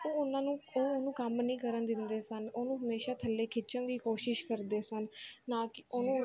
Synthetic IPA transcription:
oːʊnãːnũːoːonũːkəmnĩːkəɾənd̪ɪnd̪eːsənoːnũːɦəmeːʃaːt̪ʰəlːeːkʰɪt͡ʃənd̪iːkoːʃɪʃkəɾd̪eːsənːãːkɪoːnũː

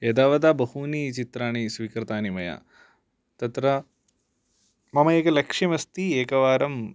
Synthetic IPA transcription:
eːd̪aːʋɐd̪aːbɐhuːnit͡ʃit̪ɾaːɳisʋiːkɾɐt̪aːnimɐja̰ | t̪ɐt̪ɾɐ | mɐmɐeːkɐlɐkʂimɐst̪ieːkɐʋaːɾɐm

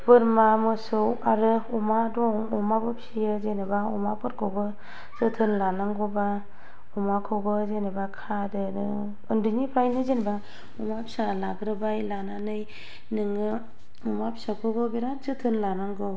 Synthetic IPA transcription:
pɯɾmamɯsɯwaɾɯumadɔŋɔmabɯpʰsijɯzenebaumapɯɾkʰɯwbɯ | zɯtʰɯnlanaŋɡɯba | ɔmakʰɯwɡɯzenebakʰadɯnɯ | ɯndɯnipʰɾajnɯzenba | umapʰi̥salaɡɾɯbajlananɯj | nɯŋɯ | umapʰisakʰɯɡɯbeɾazɯtʰɯnlanaŋɡɯw

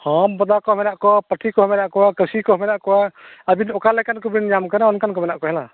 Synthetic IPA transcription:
hɔmbɔd̪akɔmɛnaʔkɔpəʈʰikɔhmɛnaʔkɔwakəsikɔmɛnaʔkɔwaəbinɔkalɛkankubɾinɲamkanaɔnkankɔmɛnaʔkɔɦɛla

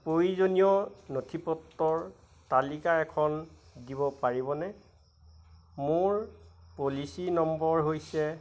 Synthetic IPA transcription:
pɹojizonijɔnotʰipɔtːɔɹ | talikaɛkʰɔn | diβɔpaɹiβɔnɛ | moɹpolisinɔmbɔɹɦojsɛ

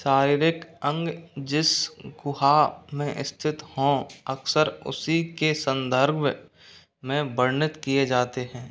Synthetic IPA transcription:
ʃaːɾiːɾɪkə̃ŋɡd͡ʒɪsɡʊɦamẽʔɪ̰st̪ʰɪt̪hõːəksəɾʊ̰sikesə̃nd̪əɾɡ | mẽbəɾnɪt̪kijed͡ʒaːt̪eɦɛ̃ː

